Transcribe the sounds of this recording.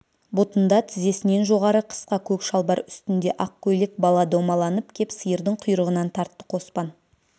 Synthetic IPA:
bot̪ənd̪ɑt̪ʰɪze̞sɪne̞nʒo̞ʁɑɾəqʰə̥sqɑkʲʰɵkʃɑlˠbɑɾʏst̪ɪnd̪e̞ʔɑq̚kʲʰːɵlɪk̚bɑlˠɑd̪omɑlˠɑnəpkʲʰe̞psəjəɾd̪ɪɴqʰʊjɾəʁənɑnt̪ʰɑɾt̪ːə̥qʰo̞spɑn

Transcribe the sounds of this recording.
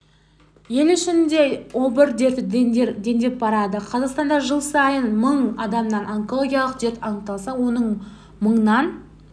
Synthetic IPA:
je̞lʏʃɪnd̪e̞obəɾd̪et̪ɪd̪e̞nd̪ep̚bɑɾɑd̪əqʰɑzɑqst̪ɑnd̪ɑʒəlˠsɑjənməɴɑd̪ɑmnɑnoŋko̞lˠoɡʲijɑlˠəqʒe̞ɾt̪ɑɴt̪ɑlˠsɑwo̞nəɴ | məɴənɑn

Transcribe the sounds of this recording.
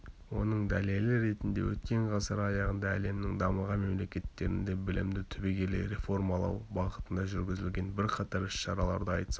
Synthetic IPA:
wo̞nəɴd̪æle̞lɪɾe̞t̪ɪnd̪e̞̰wɵ̰t̪kʲe̞ɴʁɑsəɾɑjɑʁənd̪ɑæle̞mnɪŋd̪ɑməʁɑme̞mle̞kʲe̞t̪ːe̞ɾɪnd̪e̞bɪlɪ̰md̪ɪt̪ʰʏbeɡʲe̞lḛɾe̞fo̞ɾmɑlˠɑ̰wbɑʁət̪ənd̪ɑʒʏɾɡʲɪzɪlɡʲe̞nbɪɾqʰɑt̪ɑɾʏʃʃɑɾɑlˠɑɾd̪əɑjt̪s

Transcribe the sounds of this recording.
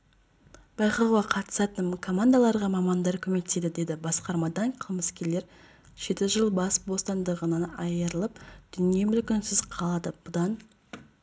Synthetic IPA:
b̥ɑjqlˠwʁɑqʰɑt̪ə̥sɑt̪ənkʰo̞mand̪alˠɑɾʁɑmɑmɑnd̪ɑɾkʲʰɵme̞kt̪se̞d̪ɪd̪e̞d̪ɪbɑsqɑɾmɑd̪ɑɴqʰəlˠməskʲele̞ɾ | ʒ̥e̞t̪ɪʒəlˠbɑsbo̞st̪ɑnd̪əʁənənɑjəɾəlˠəp̚d̪̥ʏnije̞mʏlkʲɪnsɪzqʰɑlˠɑd̪əb̥ʊd̪ɑn

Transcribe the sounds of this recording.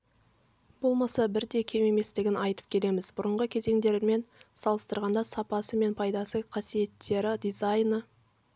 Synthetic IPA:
b̥o̞lˠmɑsɑbɪɾd̪e̞kʲʰe̞me̞me̞st̪ɪɡʲɪnɑjt̪ə̥p̚kʲʰe̞le̞mɪzbʊɾəɴʁəkʲʰe̞ze̞ŋd̪e̞ɾme̞nsɑlˠəst̪əɾʁɑnd̪ɑsɑpɑsəme̞npʰɑjd̪ɑsəqʰɑsije̞t̪ʰːe̞ɾɪd̪izajnə

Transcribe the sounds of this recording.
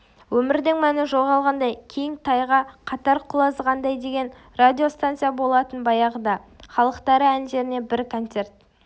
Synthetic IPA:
wɵmɪɾd̪ɪŋmænɪʒo̞lˠʁɑlˠʁɑnd̪ɑjkʲʰejɪŋt̪ʰɑjʁɑqʰɑt̪ɑɾqʰʊlˠɑzʁɑnd̪ɑjd̪e̞ɡʲe̞n | rad̪ʲijo̞st̪ant̪sijabo̞lˠɑt̪ənbɑjɑʁəd̪ɑχɑlˠəqt̪ɑɾəænʒe̞ɾɪne̞bɪɾkʰo̞nt̪se̞rt̪

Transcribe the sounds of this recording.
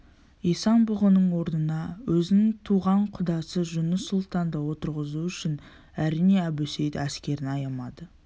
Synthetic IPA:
ijsɑnbʊʁənəɴwo̞ɾnənɑwʔɵzɪnɪŋt̪ʰuʁɑɴqʰʊd̪ɑsəʒʊnəsʊlˠt̪ɑnd̪əwo̞t̪əɾʁəzuʏʃɪn | æɾijneæbɵsejt̪æskʲe̞ɾɪnɑjɑmɑd̪ə

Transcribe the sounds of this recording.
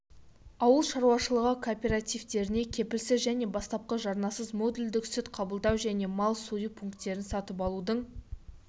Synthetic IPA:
ɑwəlˠʃɑɾuɑʃəlˠəʁəkʰopʲe̞ɾat̪ijvt̪e̞ɾɪne̞kʲʰe̞pɪlsɪzʒæne̞bɑst̪ɑp̚qəʒɑɾnɑsəzmo̞d̪uld̪ɪksɪt̪qʰɑbəlˠd̪ɑwʒæne̞mɑlˠsujəpʰuŋkt̪ːe̞ɾɪnsɑt̪əp̬ɑlˠud̪əɴ

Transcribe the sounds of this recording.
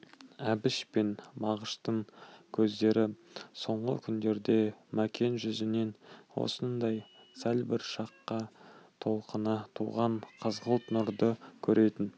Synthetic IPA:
æbɪʃpe̞nbɑʁəʃt̪əɴkʲʰɵzd̪e̞ɾɪso̞ɴʁə̰kʲʰʏnd̪e̞ɾd̪e̞mækʲʰe̞nʒʏzɪne̞nwo̰sənd̪ɑj | sælbɪɾʃɑqːɑt̪ʰo̞lˠqənɑt̪ʰṵʁɑɴqʰəzʁəlˠt̪nʊɾd̪əkʲʰɵɾʔe̞t̪ɪn

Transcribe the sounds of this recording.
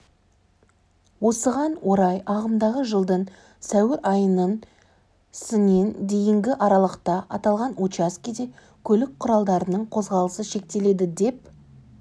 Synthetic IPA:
wo̞səʁɑnwoɾɑjɑʁəmd̪ɑʁəʒəlˠd̪əɴ | sæwɪɾʔɑjənən | sɪne̞nd̪e̞jɪŋɡʲɪʔɑɾɑlˠəqt̪ɑʔɑt̪ɑlˠʁɑnut͡ʃaskʲid̪e | kʲʰɵlɪk̚qʰʊɾɑlˠd̪ɑɾənəɴqʰo̞zʁɑlˠəsəʃe̞k̚t̪e̞le̞d̪ɪd̪e̞p

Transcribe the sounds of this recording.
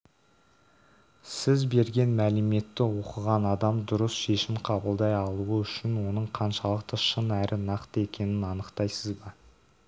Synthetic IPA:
sɪzbe̞ɾɡʲe̞nmælɪme̞t̪ːɪwo̞qəʁɑnɑd̪ɑmd̪ʊɾəsʃe̞ʃɪmqʰɑbəlˠd̪ɑjɑlˠuəʏʃɪnwo̞nəɴqʰɑnʃɑlˠəqt̪əʃənæɾʔɪnɑqt̪əe̞kʲe̞nɪnɑnəqt̪ɑjsəzbɑ

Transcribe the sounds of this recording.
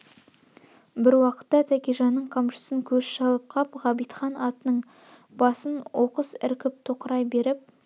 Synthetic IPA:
bɪɾwɑqə̥t̪ːɑt̪ʰækʲeʒɑnːəɴqʰɑmʃə̥səŋkʲʰɵsʃɑlˠəp̚qʰɑpʁɑbijt̪χɑnɑt̪ənəɴ | bɑsənwʔo̞qəsɪ̰ɾkʲɪp̚t̪ʰoqəɾɑjbe̞ɾɪp̚

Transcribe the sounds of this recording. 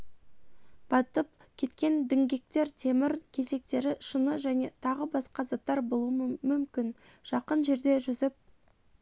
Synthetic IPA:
b̥ɑt̪əp̚ | kʲʰe̞t̪kʲe̞nd̪ɪŋɡʲe̞k̚t̪e̞ɾt̪ʰe̞mɪɾkʲʰe̞ze̞k̚t̪e̞ɾɪʃənəʒæne̞t̪ʰɑʁəbɑsqɑzɑt̪ːɑɾbo̞lˠuəmmʏmkʲɪnʒ̥ɑqənʒe̞ɾd̪e̞ʒʏzɪp̚

